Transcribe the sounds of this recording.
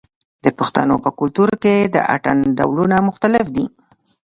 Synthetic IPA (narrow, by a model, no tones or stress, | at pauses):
d̪əpʊxt̪a̰nopəkʊlt̪uɾked̪ə̰ʔa̰ʈanɖa̰wlunamʊxt̪alɪfd̪i